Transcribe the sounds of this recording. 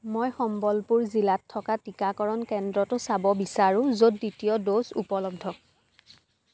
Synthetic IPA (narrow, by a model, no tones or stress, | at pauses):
mojxɔmbɔlpuɹzilatʰːɔkatikakɔɹɔnkɛndɹɔtʊsabɔbisaɹʊ̃zodːitijɔdosṵpɔlɔb̚dʱɔ